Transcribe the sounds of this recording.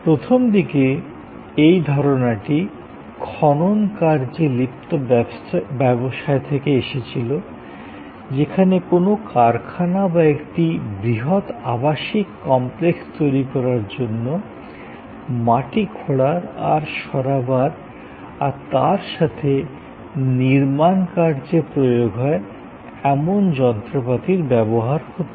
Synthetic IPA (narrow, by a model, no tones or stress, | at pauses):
pɾot̪ʰomd̪ike | ejd̪ʱɔɾonaʈi | kʰɔnonkaɾd͡ʑelipt̪o | bɛboʃaet̪ʰekeeʃet͡ɕʰilo | d͡ʑekʰanekonokaɾkʰanabaekʈibɾiɦot̪abaʃikːɔmplekst̪ojɾikɔɾaɾd͡ʑonːo | maʈikʰoɽaɾa̰ɾʃɔɾabaɾ | aɾt̪aɾʃat̪ʰe | niɾmankaɾd͡ʑepɾojoɡɦɔe | ɛmond͡ʑɔnt̪ɾopat̪iɾbɛboɦaɾkot̪o